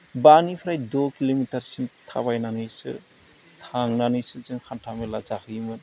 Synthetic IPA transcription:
banipʰɾajdɔkilomitaɾsintʰa̰βajnanɯjsɯ̰ | tʰaŋnanɯjsɯzɯnkʰantʰamelazahʰɯjmɯn

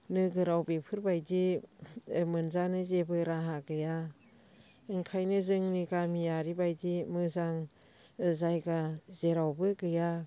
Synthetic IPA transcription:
nɯɡɯɾawbepʰɯɾbajdi | mɯnzanɯzebɯɾaɦaɡɯja | ɯŋkʰajnɯzɯŋniɡamijaɾibajdimɯzaŋ | zajɡazeɾawbɯɡɯja

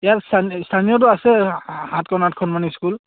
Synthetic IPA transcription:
ijaɹsʰanstʰanijɔt̬ʊasɛhãtkɔnat̚kʰɔnmaniskul

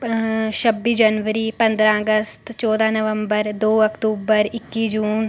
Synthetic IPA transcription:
ʃəbːiːd͡ʒənʋəɾiːpə̃nd̪ɾãəɡəst̪t͡ʃɔːd̪ãːnəʋə̃mbəɾd̪oːəkʈ̪uːbəɾɪkːiːd͡ʒuːn

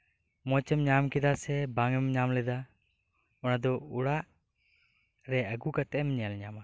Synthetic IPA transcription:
mɔt͡ʃəmɲamkɛd̪asɛbaŋɛmɲamlɛd̪a | ɔnad̪ɔuɽaʔ | ɾɛəɡukat̪ɛʔmɲalɲama

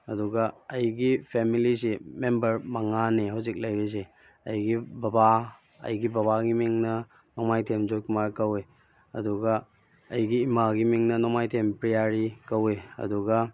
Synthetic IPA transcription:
ɐduɡɐːjɡipʰemilis̬imembɐɾmɐŋaneɦawzik̚lajɡes̬e | ɐjɡibɐba | ɐ̰jɡibɐβaɡimiŋnɐ | nomajtʰemd͡ʒojkʰumaɾkɐwe | ɐduɡɐ | ɐjɡiːmaɡimiŋnɐnɔmajtʰempɾijaɾikɐweɐ̰duɡɐ

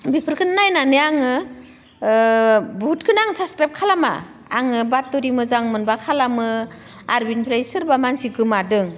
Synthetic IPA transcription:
bipʰɯɾkʰɯnnajnanɯaŋɯ | but̚kʰɯnaŋsaskɾap̚kʰalama̰ | a̰ŋɯbat̚ːuɾimɯzaŋmɯnbakʰalamɯ | aɾbinpʰɾajsɯɾbamansiɡɯmadɯŋ

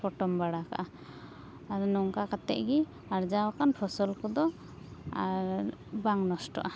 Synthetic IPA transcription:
pʰɔʈɔmbaɽaka̰ʔa | aɾɔnɔŋkakat̪ɛ̰ʔɡi | aɾd͡ʒawɔkanpʰɔsɔlkɔd̪ɔ | aɾbaŋnɔsʈɔ̰ʔa

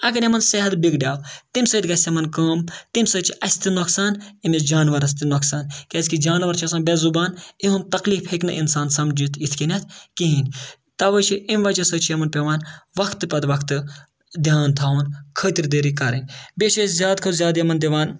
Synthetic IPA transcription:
ɐɡɐɾemɐnseɦɐt̪biɡɖʲjaːwt̪imsəːt̪ɡɐsʲemɐnkɐːmt̪imsəːt͡ʃʰiʔɐsʲt̪inoksaːnimesd͡ʒaːnʋɐɾɐsʲt̪inoksaːnkʲeːskid͡ʒaːnʋɐɾt͡ʃʰɐsɐːnbɛzubaːniɦumt̪ɐkliːfheknɐ̰ʔinsaːnsɐmd͡ʒit̪ʰit̪ʰkinʲɐt̪̚ʰkiɦinʲ | t̪ɐʋət͡ʃʰiʔimʋɐt͡ʃɐsəːt͡ʃʰijɐmɐnpʲeʋaːnʋɐkʰt̪pɐd̪ʋɐkʰt̪ɨ | d̪ʱʲjaːnt̪ʰaːɐnkʰəːt̪iɾd̪eɾikɐɾɐnʲbʲet͡ʃʰɐszʲaːd̪kʰozʲjaːd̪jɐmɐnd̪ʲiʋaːn

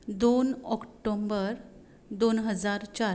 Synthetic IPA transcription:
d̪onɔkʈombəɾ | d̪onɦəd͡zaɾt͡ɕaɾ

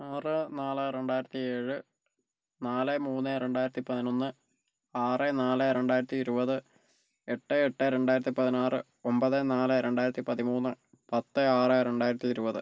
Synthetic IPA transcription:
aːrɨnaːleɾe̞ɳɖaːjiɾɐt̪ːieːɻɨ | naːlemuːnːeɾe̞ɳɖaːjiɾɐt̪ːipɐðino̞nːɨ | aːrenaːleɾe̞ɳɖaːjiɾɐt̪ːiːɾubɐðɨ | eʈːeeʈːeɾe̞ɳɖaːjiɾɐt̪ːipɐðinaːrɨ | o̞mbɐðenaːleɾe̞ɳɖaːjiɾɐt̪ːipɐðimuːnːɨ | pɐt̪ːeaːrɨɾe̞ɳɖaːjiɾɐt̪ːiːɾubɐðɨ

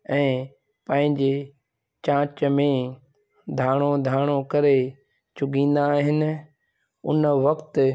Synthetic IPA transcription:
ɛ̃ː | pɐ̃ɦɪ̃ɲd͡ʑe | t͡ɕãːt͡ɕəmẽ | d̪ʱaːɽ̃od̪ʱaːɽ̃okɐɾe | t͡ɕʊɡĩːn̆d̪aːɦɪnɪ̆ | ʊ̰nʋɐkt̪

